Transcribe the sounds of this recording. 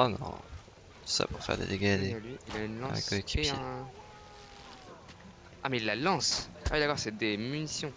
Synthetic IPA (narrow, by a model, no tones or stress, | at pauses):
ɔnɔ̰̃ | sa̰puʁfɛ̰ʁd̪ḛd̪eɡad̪elɥiilaynlɑ̃koekʰi | a̰mɛilːalɑ̃sa̰wid̪akɔʁsɛd̪emynisjɔ̃